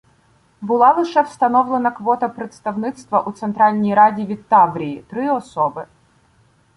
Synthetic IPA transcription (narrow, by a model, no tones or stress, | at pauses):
bɨlˠɑlˠɨʂɛwst̪ɐnɔvlˠənɐkvɔt̪ɐpɾʲɛt̪st̪ɐvnɨt̪st̪ʋɐʔut̪sɛnt̪ɾɑlʲnʲijɾadʲiʋʲɪt̪avɾʲiːt̪ɾɨɔsɔbɨ